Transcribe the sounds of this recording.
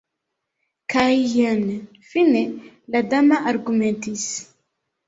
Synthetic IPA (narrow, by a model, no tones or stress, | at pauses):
kajjan | finelad̪amaʔaɾɡumɛ̃nt̪is